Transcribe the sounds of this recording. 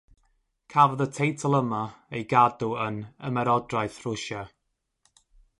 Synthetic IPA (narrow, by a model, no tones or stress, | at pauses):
kʰavəðətʰejtʰəlˠəmaejɡadʊənə̰mɛɾɔdrajθrʊʃa